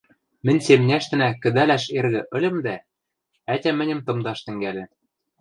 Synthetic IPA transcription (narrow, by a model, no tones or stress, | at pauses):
mɘ̆nʲsemnʲæʃt̪ɘ̆nækɘ̆d̪ælæʃerɣɘ̆ʔɘ̆lʲɘ̆md̪æ | ætʲæmɘ̆nʲɘ̆mt̪ɤ̆md̪ɑʃt̪ɘ̆ŋɡælʲɘ̆